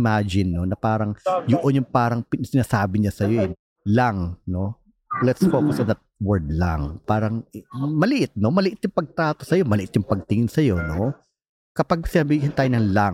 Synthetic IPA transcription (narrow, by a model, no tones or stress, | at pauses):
mad͡ʒɪnːo̞nɐpaːɾɐŋjʊʔonjʊŋpaːɾɐŋpɪsɪnaːsaːbɪɲasɐjojɛ | laŋno̞ | lɛt̪sfoːkʊsɐnd̪ɐt̪̚wɛɹd̪la̰ŋpaːɾɐŋmɐlɪʔɪt̪̚no̞mɐlɪʔɪt̪jʊŋpɐɡ̚t̪ɾaːt̪o̞sɐjo̞mɐlɪʔɪt̪jʊŋpɐɡ̚t̪ɪŋɪnsɐjo̞no̞ | kɐpaɡ̚sɪnɐbiːɦɪnt̪aːjonɐŋlaŋ